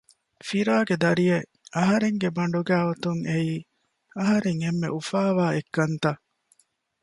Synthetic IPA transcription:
fiɾaːɡed̪ɐɾije | ʔɐɦɐɾeŋɡebɐɳ̆ɖuɡæːot̪uŋeiː | ɐɦɐɾeŋemːḛʔufaːʋaːekːɐnt̪ɐ

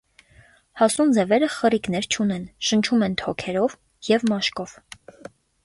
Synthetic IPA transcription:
hɑsund͡zɛvɛɾəχərikn̪ɛɾt͡ʃʰunɛnʃənt͡ʃʰumɛnt̪ʰɔkʰɛɾɔv | jɛvmɑʃkɔv̥

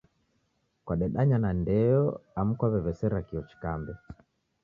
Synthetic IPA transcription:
kwaɗɛɗaɲanandɛɔam̩kwaβɛvɛsɛɾakiɔt͡ʃi̥kambɛ

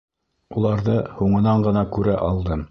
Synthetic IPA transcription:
ulˠɑɾðɤhuɴɤ̆nɑɴɢɤ̆nɑkʉɾæʔɑlˠd̪ɤm

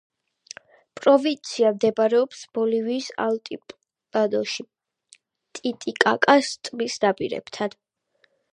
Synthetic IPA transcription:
pʼɾɔvint̪sʰiamd̪ɛbaɾɛɔpsb̥ɔliviːsa̰lt̪ʼi | ad̪ɔʃi | t̪ʼit̪ʼikʼakʼast̪ʼmisd̪apʼiɾɛ̰bt̪ʰad̪̥

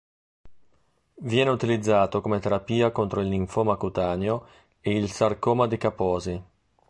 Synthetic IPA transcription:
vjɛːneut̪ilid̪zːaːt̪okomet̪eɾapiːakont̪ɾoiliɱfomakut̪aːnjo | eilsarkoːmad̪ikapɔːzi

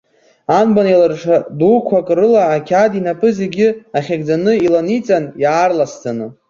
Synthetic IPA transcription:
anbanjalarʂʰadukʷʰakʼrɨlaːkʲʰadinapʰʼɨze̞ɡʲɪaχʲaɡʲd͡zanɨilanit͡sʼanjaːrlast͡sʰanɨ

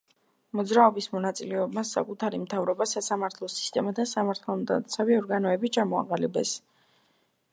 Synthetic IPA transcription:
mɔd̪zɾaɔbismɔnat̪sʼilɛɔbmasa̰kʼut̪ʰaɾimt̪ʰavɾɔbasasamaɾt̪ʰlˠɔsi̥st̪ʼɛmat̪ʰasamaɾt̪ʰalˠmd̪a̰t̪sʰaviɔɾɡanɔɛbit͡ʃʰamɔa̰qʼalibɛ̰s

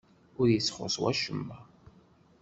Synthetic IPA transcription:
ʊɾjəsχʊ̰swæ̰ʃəmːæ

